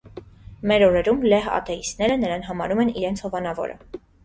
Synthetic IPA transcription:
mɛɾɔɾɛɾumlɛɦɑ̰t̪ɛist̪nɛɾənəɾɑnɦɑmɑɾumɛniɾɛnt͡sʰhɔvɑnɑvɔ̰ɾə̰

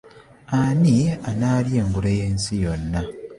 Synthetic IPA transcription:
anianaːlje̞ːŋɡuɾeje̞nsijonːa

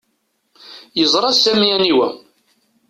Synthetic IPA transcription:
jəzˤɾˤɑsæmijæniwæ

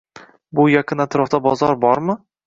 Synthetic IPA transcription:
bʊjaqʰɨnat̪ʰɾɒft̪abɒzɒɾbɒɾmɪ

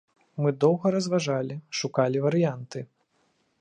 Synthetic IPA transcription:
mɨd̪ɔwɣɐɾɐzvaʐalʲiʂukalʲivɐɾɨjant̪ɨ

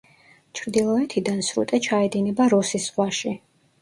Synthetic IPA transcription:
t͡ʃʰɾd̪ilˠɔɛt̪ʰid̪ansɾṵt̪ʼɛt͡ʃʰaɛd̪inɛbaɾɔsisʁwaʃi

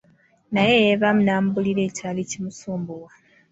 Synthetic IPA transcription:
najejeβamunaːmbuliɾe̞ːcaːlicimusuːmbuwa

